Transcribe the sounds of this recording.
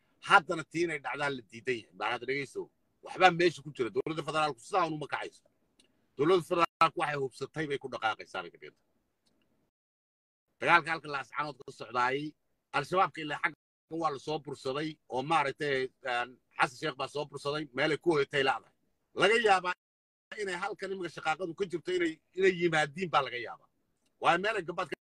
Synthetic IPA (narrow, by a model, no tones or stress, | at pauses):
hɐd̪ɐnɐt̪ʰiːɪnɛjɖɑʕðaːnlɐd̪iːd̪ɐnjɐhɛjbaːnaːðɖɛɣɛjsɔ̰ | wɑħβaːmɛːʃɐkʊt͡ʃɪɾɛd̪ɔlɐd̪ɐfɛðɛɾaːlkʊ̥sɪðaːʊnʊmɐkʰɑʕɑ̰jsɔ̥ | d̪̥ɔwlɐðɐfɛðɛɾaːlkʊwɑħɑjhʊbsɐt̪ʰɛjβɛjkʰʊɖɑqɑːqɛjsa̰ːnɛ̰jkʰɐɖɪ̰ɣɐ̰nt̪ʰɐ̥ | d̪̥ɐɣaːlkɐɐlkʰɐlɐːsʕɑ̰nɔːd̪̚kʰɐlɐsɔʕðaːjɛj | ʔɐlʃɐβaːb̚kʰɐɪlaːħɑɡɐ | kɐnwɑːlɐsɔːbʊrsɐðɛjʔɔːmaːɾɐk̚t̪ʰɛn | ħɑ̰s̬ɐnʃɛːqbaːsɔːbʊrsɐðɛjmɛːlɛjkʰʊhɔjɛt̪ʰɛjlɐːðɐhɛj | lɐɣɐjaːβaː | ɪnɛjɦɐlkʰɐnɪmɪŋkʰɐʃɑqɑːqɑðʊkʰɐt͡ʃɪrt̪ʰɔɪnɛj | ɪnɛjjːɪmaːðiːmbaːlɐɣɐja̰ːβa̰ː | wɑːjɛmɛːlɛjɡɐbaːd̪̚kʰɐ